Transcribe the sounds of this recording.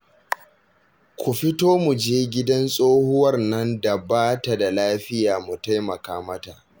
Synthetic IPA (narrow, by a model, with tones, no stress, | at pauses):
kʷu˨ɸɪ˦toː˦mu˨d͡ʒeː˦ɡʲɪ˦dɐ˦nsʼoː˦hʊ˦wɐ˦rnɐ˦nda˨baː˦ta˨da˨laː˦ɸɪ˦jaː˨mu˨ta˦jmɐ˨kaː˦mɐ˦ta˨ʔ